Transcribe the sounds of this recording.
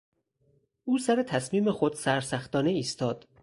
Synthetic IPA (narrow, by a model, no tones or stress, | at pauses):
ʔuːsæɾe̞t̪ʰæsmiːmexod̪̥sæɾsæxt̪ɒːneiːst̪ʰɒːd̪̥